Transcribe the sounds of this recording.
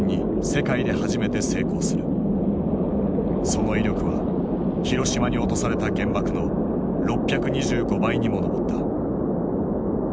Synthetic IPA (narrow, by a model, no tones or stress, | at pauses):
ɲ̟ːi | se̞kaid̪e̞haʑime̞t̪e̞se̞ːko̞ːsɨɾɯ̟̰ | so̞no̞iɾʲjo̞kɯ̟βa̰ | çiɾo̞ɕimaɲ̟io̞t̪o̞saɾe̞t̪aɡẽ̞mbakɯ̟no̞ | ɾo̞pʲːjakɯ̟ɲ̟iʑɨːɡo̞baiɲ̟imo̞no̞bo̞t̪ːa